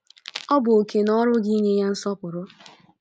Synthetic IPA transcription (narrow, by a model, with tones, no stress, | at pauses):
ɔ˦bʊ˨o˨ke˨nɔ˦ɾʊ˦ɡi˦ɲe˦ja˦n̩˦sɔ˦pʊ˨ɾʊ˦